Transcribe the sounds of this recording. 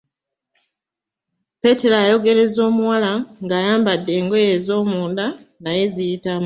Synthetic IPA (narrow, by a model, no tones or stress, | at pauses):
pe̞te̞ɾaːjo̞ɡe̞ɾe̞zo̞ːmuwalaŋɡaːjaːmbadːe̞ːŋɡo̞je̞zo̞ːmuːnda | naje̞zijitam